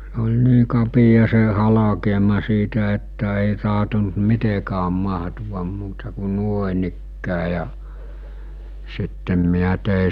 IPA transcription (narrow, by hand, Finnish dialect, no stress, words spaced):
se̥ olʲ niː kɑpijɑ se hɑlɑkeːmɑ siːtæ etːæ eˑi tɑɦtont mitekæːm mɑɦtuʋɑm muːtɑ ku nuoĕnikːæː jɑ sitːem miæ teˑi